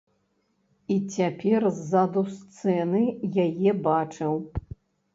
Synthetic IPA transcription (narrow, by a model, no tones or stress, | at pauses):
it͡sʲapʲɛrzːad̪ust̪sɛnɨjajɛbat͡ʂɨw